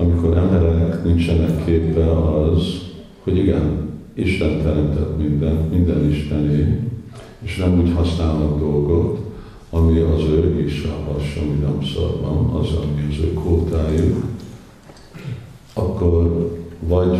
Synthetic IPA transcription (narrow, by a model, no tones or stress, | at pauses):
ɒmiko̞ɾɛmbɛɾɛknint͡ʃɛnɛkʰːeːpːɛɒz | ho̞ɟiɡɛn | iʃt̪ɛnt̪ɛɾɛmt̪ɛt̪mind̪ɛnt̪mind̪ɛniʃt̪ɛneː | eːʃnɛmuːchɒsnaːlnɒd̪d̪o̞lɡo̞t̪ | ɒmiɒzøːɡiʃɒɦɒʃomid̪ɔmso̰rbɒ̰nɒ̰zɒmiɒzøːkoːt̪aːjuk | ɒkːo̞rvɒɟ